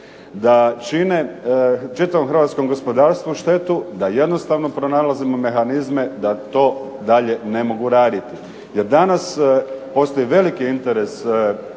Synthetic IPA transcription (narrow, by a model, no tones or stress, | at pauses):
d̪at͡ʃinet͡ʃit̪aʋomxrɾʋat̪sko̞mɡo̞spo̞d̪aːɾst̪ʋuuʃt̪e̞t̪ud̪aje̞d̪no̞st̪aʋno̞pɾo̞nalazimo̞me̞xanizme̞d̪at̪o̞ː | d̪aʎe̞ne̞mo̞ɡuɾaːd̪it̪i | je̞ɾd̪anaspo̞st̪o̞jiʋe̞likiint̪e̞ɾe̞s